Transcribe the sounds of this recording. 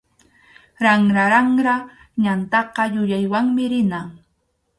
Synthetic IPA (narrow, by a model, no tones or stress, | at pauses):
ɾaŋɾaɾaŋɾa | ɲant̪ɑqɑjʊjajwaŋmɪɾɪna